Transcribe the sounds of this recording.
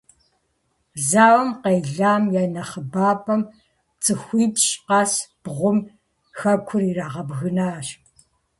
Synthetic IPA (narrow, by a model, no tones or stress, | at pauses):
zaːwɐmqejɮaːmjaːnɐχəbaːpʰʼɐm | t͡sʼɨxʷiːpɕqɑːsb̥ʁʷʊm | xɐkʷʰʊriːraːʁɐbɣɨnaːɕ